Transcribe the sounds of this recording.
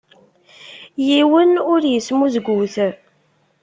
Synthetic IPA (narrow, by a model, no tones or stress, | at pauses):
jiwənʊɾjəsmuzɡʷuθ